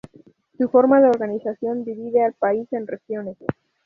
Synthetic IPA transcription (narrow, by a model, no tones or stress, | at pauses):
sufo̞ɾmaðeo̞ɾɣanisasjo̞nd̪iβiðealpaise̞nrexjo̞ne̞s